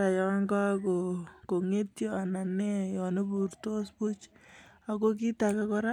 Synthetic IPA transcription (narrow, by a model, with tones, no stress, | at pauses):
a˨jɔ˦ŋɡa˦ko˨ko˨ŋe˦tjɔ˦a˨na˨ne˦jɔ˨ne˦bu˨rto˦spu˦t͡ʃa˨ko˦k̬i˦ta˨ka˦kɔ˦ɾa˦